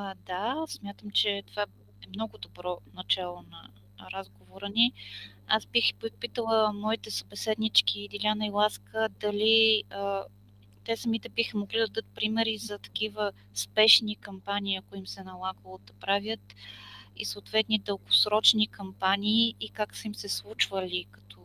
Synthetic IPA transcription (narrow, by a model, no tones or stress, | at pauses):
d̪asmʲjat̪əmt͡ʃɛt̪ova | ɛmnɔɡʊd̪obɾɔnɐt͡ʃalˠonɐ | ɾazɡovoɾəni | azbixppit̪əlˠəmɔit̪ɛsɐbɛsɛd̪nit͡ʃkiːd̪ilʲanɐilˠaskəd̪ɐliə | t̪ɛsəmit̪ɛbixəmoɡlʲid̪ɐd̪ɤt̪̚pɾimɛɾizɐt̪ɐ̥k̟ivə | spɛʃnikɐmpanʲiːɐkʊimsɛnɐlˠaɡəlˠod̪ɐpɾavʲjət̪ḭsoːt̪vɛt̪nid̪əlˠɡosɾɔt͡ʃnikɐmpanʲiːkaksəimsɛslˠut͡ʃvəlʲikɐ̥t̪ʰɔ